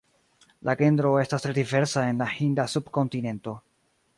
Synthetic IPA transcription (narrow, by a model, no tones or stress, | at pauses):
lʔaɡe̞ndɾo̞e̞stastɾe̞dive̞ɾsae̞nlahindasubko̞ntine̞nto̞